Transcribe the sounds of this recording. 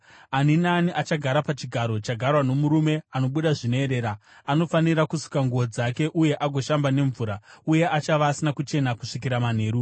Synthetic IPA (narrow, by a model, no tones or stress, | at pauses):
aninaniʔat͡ʃaɡʱaɾapat͡ʃiɡʱaɾo̞t͡ʃaɡʱarwano̞muɾume̞ano̞ɓuɗaʐinoe̞ɾe̞ːɾa | ano̞faniɾakusu̥kaŋɡuod͡zake̞ʔuje̞ʔaɡʱo̞ʃambane̞ɱvuːɾauje̞at͡ʃaʋaːsinakut͡ʃe̞nakuʂik̬iɾaman̤e̞ːɾu